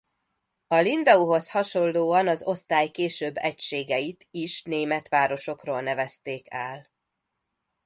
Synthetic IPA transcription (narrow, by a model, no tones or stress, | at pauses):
ɒlind̪ɒuɦo̞shɒʃo̞nlːoːɒnɒzo̞st̪aːjkeːʃøːbːɛcʃeːɡɛjit̪iʃneːmɛt̪ʋaːɾo̞ʃo̞kroːlnɛvɛst̪eːkɛl